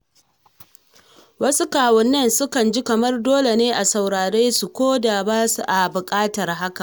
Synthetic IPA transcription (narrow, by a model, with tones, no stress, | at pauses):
wɐ˦su˦kaː˨wɐ˨nːɐ˦nsʊ˦kɐ˨nd͡ʒi˦kɐ˨mɐ˦rdoː˦le˨neː˦ʔa˨sa˨wɽaː˨ɽeː˦su˨kʷoː˦da˨baː˦su˨ʔa˨bʊ˨kʼaː˦tɐ˨rɦa˦ka˨ʔ